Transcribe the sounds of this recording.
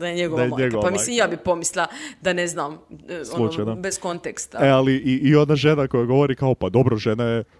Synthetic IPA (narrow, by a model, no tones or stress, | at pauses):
d̪ajeɲeɡod̪jeɲeɡoʋpamilimjaːbipo̞mislˠad̪aneznamsolˠut͡ʃajd̪abeskont̪ekst̪aealiiʔːo̞naʒe̞nako̞jaɡo̞ʋo̞ɾikao̞pad̪o̞bɾoʒenaje